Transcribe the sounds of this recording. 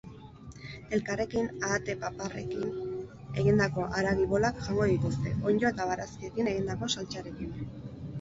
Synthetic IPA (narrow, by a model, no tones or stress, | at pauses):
e̞lkare̞kinaːt̪e̞papare̞̰kin | e̞̰ɣind̪ako̞ʔaɾaɣiβo̞lakʝaŋɡo̞ðit̪ust̪e̞ʔo̞ɲd͡ʒoet̪aβaɾaskiekine̞ɣind̪ako̞salt͡ʃaɾe̞kin